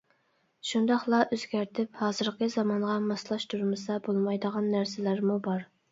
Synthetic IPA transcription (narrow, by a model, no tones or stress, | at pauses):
ʃund̪ɑχlˠɑʔøzɡʲæɾt̪ʰɪphɑːzɨɾqʰəzɑmɑɴʁɑmɑslˠɑʃt̪ʰuɾmɨsɑbolˠmɑjd̪əʁɑnːæɾsɪlæɾmubɑɾ